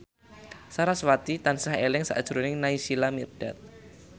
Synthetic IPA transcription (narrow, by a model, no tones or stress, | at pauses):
saɾaswat̪it̪ansaɦelɪŋsa̰ʔd̥ʒ̥ɾonɪŋnaisilamirɖ̥at̪̚